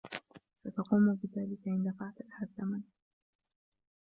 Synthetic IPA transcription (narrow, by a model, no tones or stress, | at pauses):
sat̪ɑquːmbɪðaːlɪkaʔɪnd̪afaʕt̪at̪had̪ːaman